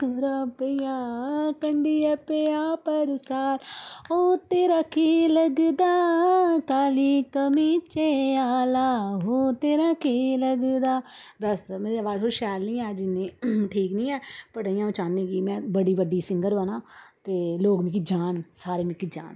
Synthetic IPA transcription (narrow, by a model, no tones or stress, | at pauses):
kʊɾaːpəjãːkəɳɖiːəpeaːpəɾsaːloːt̪eːɾaːkʰiləɡd̪aːkaːliːkəmiːt͡ʃeːaːlaːɦoːt̪eːɾaːkʰiləɡd̪aːbəsmɛ̃ːɾeəʋaːzɦoʃɛːlnĩːɛːd͡ʒɪnːẽːʈʰiːknĩːɛːpəʈəijãːõt͡ʃaːnd̪ẽːkimɛ̃ːbəɽiːʋəɖiːsɪŋɡəɾʋənãːt̪eːloːɡmɪkid͡ʒaːnsaːɾeːmɪkid͡ʒa̰ːn